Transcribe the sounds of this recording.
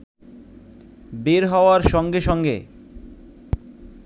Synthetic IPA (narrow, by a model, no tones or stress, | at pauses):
beɾɦɔoaɾʃɔŋɡeʃɔŋɡḛ